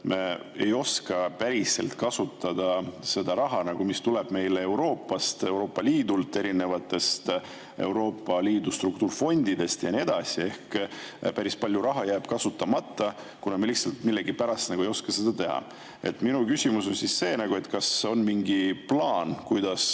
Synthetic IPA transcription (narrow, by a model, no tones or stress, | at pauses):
me | ejo̞skɑpæɾise̞̰lt̪kɑsut̪ːɑd̪̥ɑse̞d̪̥ɑɾɑɦɑnɑɡ̥umist̪uleb̥me̞jlee̞wɾo̞ːpːˑɑst̪e̞uwɾo̞ːpːˑɑliːd̪ult̪ːˑe̞ɾine̞vɑt̪ːˑe̞st̪ | e̞̰uwɾo̞ːpːˑɑliːd̪̥ust̪ruk̚t̪uːrfo̞nʲd̪id̪e̞st̪jɑnie̞d̪̥ɑsie̞hkpæɾispɑlʲjuɾɑɦɑjæːb̥kɑsut̪ːˑɑmɑt̪ːˑɑ | kunɑmeliçhtsɑlt̪milːeɡipæɾɑst̪nɑɡue̞jo̞skɑse̞d̪̥ɑt̪e̞hɑ̰ | e̞̰t̪ːˑminukysʲimus̬o̞nsisse̞ːnɑɡ̥ue̞t̪ːˑkɑso̞nmiŋɡiplɑːnkujd̪̥ɑs